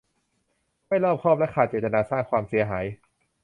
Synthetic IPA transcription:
ma˥˩jlɔː˥˩p̚kʰɔː˥˩p̚lɛ˦˥kʰaː˨˩t̪̚t͡ɕeː˨˩t̪̚t̪a˧naː˧saː˥˩ŋkʰwaː˧msi˨˩˦ɐɦaː˩˦j

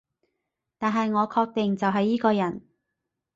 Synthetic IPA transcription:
t̪aː˨nɦɐ˨jŋɔː˨˧kʰɔː˧k̚t̪e˨ŋt͡sɐ˨wɦɐ˨jːiː˥kɔː˧jɐ˨˩n

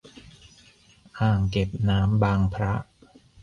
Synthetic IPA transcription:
ʔaː˨˩ŋke˨˩p̚naː˦˥mbaː˧ŋpʰɾa˦˥ʔ

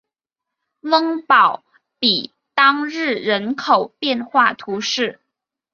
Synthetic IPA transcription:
wə˥ŋpɑ˨˩ʊ | pi˨˩ | t̪ɑ˥ŋɻɻ̩˥˩ɻə˧˥nkʰo˨˩ʊpjɛ˥˧nxwa˥˩t̪ʰu˧˥ʂɻ̩˥˩

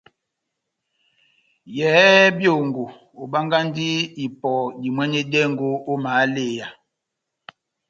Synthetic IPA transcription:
jɛ˨˦bjo˦˨ŋɡo˨ | o˨ba˦ŋɡa˦ndi˦i˨pɔ˨di˨mwɛ˦ne˦dɛ˦˨ŋɡo˦o˦maː˨˦le˦˨ja˨

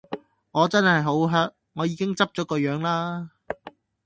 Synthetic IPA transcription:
ŋɔː˨˧t͡sɐ˥nhɐ˨jɦo˨˥wɦœː˥k̚ŋɔː˨˧jiː˨˧kɪ˥ŋt͡sɐ˥p̚t͡ʃɔː˨˥kɔː˧jœː˨˥ŋlaː˥

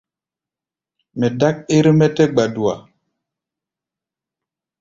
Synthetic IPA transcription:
mɛ˨da˦k̚e˦ɾmɛ˦tɛ˦ɡ͡ba˨du˨a̰˨

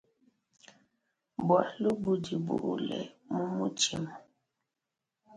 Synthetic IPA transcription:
bwa˨lu˦bu˦di˨bṵ˨ʔlɛ̰˨mu˦mu˦t͡ʃi˦mɔ˨

